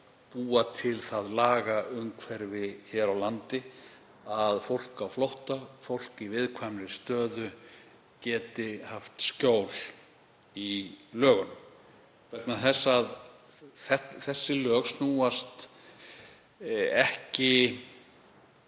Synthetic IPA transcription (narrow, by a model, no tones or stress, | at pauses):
puːat̪ʰɪlθaðlaːɣaʏmkʰvɛɾvɪçɛɾawlant̪ɪ | aðfowl̥kawflowht̪afowl̥kivɪðkʰvamɾɪst̪œːðʏ | cɛːt̪ɪhaft̪scoːwl | ilœːɣʏnʏm | kvɛt̪naθɛsːað | θɛt̪θɛsːɪlœːɣsnuːast̪ | ɛhcɪ